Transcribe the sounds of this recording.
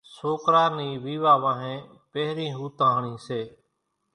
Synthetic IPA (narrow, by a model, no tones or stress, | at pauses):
soːkɾaːniːʋiːʋaːʋãːɦẽː | peːɾĩːɦuːt̪ãːɦɳĩːseː